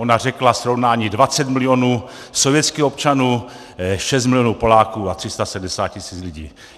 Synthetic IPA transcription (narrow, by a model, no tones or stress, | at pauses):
onar̝ɛklasɾovnaːɲiːdvat͡sɛt̪mɪlɪjonuː | sovjɛt͡skixop̚t͡ʃanuː | ʃɛst̪mɪlɪjonuːpo̞laːkuːat̪r̥ɪst̪asɛdm̩dɛsaːt̪̚cɪsiːt͡slɪɟḭː